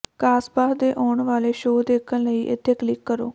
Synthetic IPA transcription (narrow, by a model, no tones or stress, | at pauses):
kaːspaːsd̪eːʔɔːɳʋaːleːʃoːd̪eːkʰənləiːʔɪ̰t̪ʰːeːkəlɪkːəɾoː